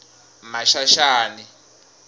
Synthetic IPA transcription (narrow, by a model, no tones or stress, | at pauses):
maʃaʃaːni